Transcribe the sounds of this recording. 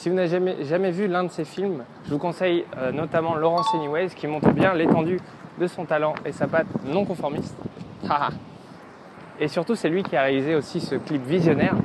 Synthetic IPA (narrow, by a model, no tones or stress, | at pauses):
sivunaveʒamɛʒamɛvylɛ̃d̪əsefilm | ʒ̥əvukɔ̃sɛjønɔt̪amɑ̃lɔʁɑ̃siniwɛzkʲimɔ̃t̪χəbjɛ̃let̪ɑ̃d̪y | d̪əsɔ̃t̪alɑ̃ʔesapat̪nɔ̃kɔ̃fɔʁmist̪a | esyʁt̪usɛlɥikʲiaʁealizeosisəklipvizjɔnɛʁ